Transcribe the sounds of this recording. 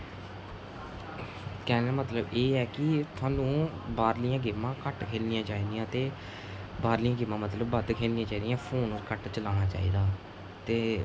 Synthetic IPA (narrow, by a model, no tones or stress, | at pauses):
kɛːnːaːmət̪ləbeːɛːkɪt̪ʰʊãːnũːbaːɾlɪjãːɡɪmːãːkəʈkʰeːlnijãːt͡ʃaːiːd̪ijãːt̪eː | baːɾlɪjãːɡɪmːãːmət̪ləbːəd̪kʰeːlnɪjãːt͡ʃaːiːd̪ijãːpʰoːnũːkəʈt͡ʃəlaːñaːt͡ʃa̰ːḭːd̪aː | t̪eː